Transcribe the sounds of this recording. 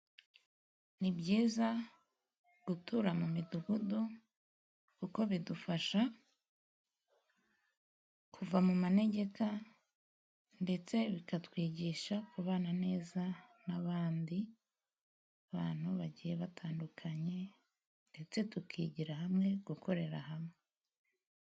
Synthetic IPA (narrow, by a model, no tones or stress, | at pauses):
nibɟiːza | ɡ̥utuɾamumiduɡudo | kuko̞βidufaʃa | kʰuvamumane̞ɟe̞ka | nde̞t͡se̞βikatwiːɟiʃakuβaːnane̞ːzanaβaːndi | aβaːn̥huβaɟiːje̞βatʰaːndukʰaɲe̞ | nde̞t͡se̞tukʰiːɟiɾahamŋe̞ɡ̥uko̞ɾe̞ɾa̰ɦamŋe